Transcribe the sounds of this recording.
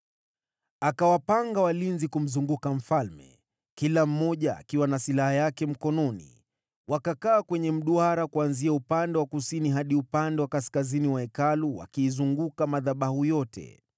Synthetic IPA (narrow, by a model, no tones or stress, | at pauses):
akawapaŋɡawalinzikum̩zuŋɡukam̩falmɛ̰ | kilam̩mːɔʄa̰ːkiwanasilahajakɛm̩kɔnɔnḭ | wakakaːkwɛɲɛm̩ɗuaɾakuanziaupandɛwakusiniɦaɗiupandɛwakaskaziniwaɛkaluwa̰kiːzuŋɡukamaðaɓahujɔtʰɛ̰